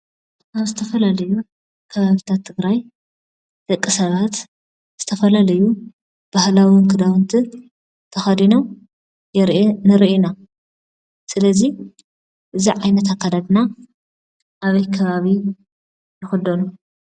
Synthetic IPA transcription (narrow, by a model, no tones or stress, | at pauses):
ʔaβzɨt̪ʰɐfɐlalɐju | kʰɐβaβit̪ʰat̪ʰːɨɡɾaj | d̪̥ɐkʼːɨsɐβat̪ | z̥ɨt̪ʰɐfɐlalɐju | b̥ahlawinkʰɨd̪awɨnt̪ʰi | t̪ʰɐxad̪inow | jɛɾnɨɾʔina | sɨlɐzi | ʔɨziʕajnɐt̪akʰːad̪ad̪na | ʔaβɐjkʰɐβaβi | jɪxɨd̪onu